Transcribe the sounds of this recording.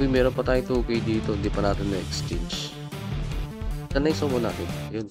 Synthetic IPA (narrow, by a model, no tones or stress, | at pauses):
ʊjmɛːɾonpɐt̪aːjʊŋt̪uːkɪjd̪iːt̪oɪnd̪iːpɐnaːt̪ɪnːɐʔɛkst͡ʃɛnt͡ʃ | t̪ɐnɐŋsomona̰ːt̪ɪnɐjon